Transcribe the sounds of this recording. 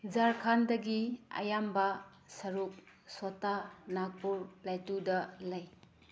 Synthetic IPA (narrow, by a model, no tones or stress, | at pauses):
zaɾkʰandɐɡia̰jamba | sɐɾuk̚sotanak̚puɾplatudɐlɐj